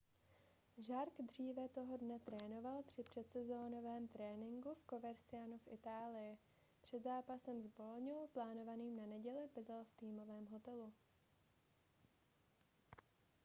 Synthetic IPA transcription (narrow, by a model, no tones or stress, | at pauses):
ʒaɾkd̪r̝iːvɛt̪o̞ɦo̞dnɛt̪ɾɛːno̞valpr̝̥ɪpr̝̥ɛt̪sɛzo̞ːno̞vɛːmt̪ɾɛːnɪŋɡufko̞vɛɾsɪanufʔɪt̪aːlɪjɪ | pr̝̥ɛd̪zaːpasɛmzbo̞loɲowplaːno̞vaniːmnanɛɟɛlɪbɪdɛlft̪iːmo̞vɛːmɦo̞t̪ɛlu